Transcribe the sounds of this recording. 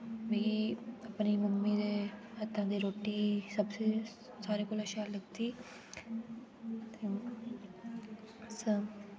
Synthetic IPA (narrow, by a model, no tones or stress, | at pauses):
biiɐpnimʊmmːid̪eɐt̪ːãd̪iɾoːʈisɐbse | saːɾekolɐʃaːlɐɡt̪i | t̪e | sə